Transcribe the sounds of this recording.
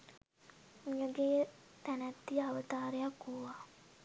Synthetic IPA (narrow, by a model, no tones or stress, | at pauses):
mijəɡeːt̪ænæt̪ːiaʋət̪aːɾejakːuʋa